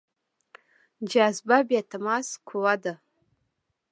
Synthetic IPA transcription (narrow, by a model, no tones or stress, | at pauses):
d͡ʒazbabatʰamaskʷʰuwada